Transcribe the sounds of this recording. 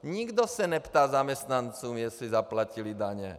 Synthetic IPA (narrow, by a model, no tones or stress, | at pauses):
ɲiɡd̪ɔsaɲɛpt̪aːzamɛst̪nant͡suːmjɛslizaplacilid̪aɲɛ̰